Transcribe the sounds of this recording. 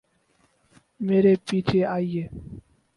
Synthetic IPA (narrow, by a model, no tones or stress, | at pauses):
meːɾepiːt͡ʃʰeaːieː